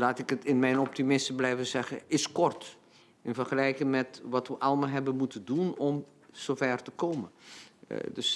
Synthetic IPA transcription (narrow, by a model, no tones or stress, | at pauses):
laːtɪkətɪnmɛjnɔp̚timɪsəblɛjvəzɛɣəɪskɔrt | ɪnfərɣəlɛjkɪŋmɛtʋɑtʋəʔɑlˠəmalˠɦɛbənmutədunɔm | z̥ofɛrtəkoːmə̰ | døs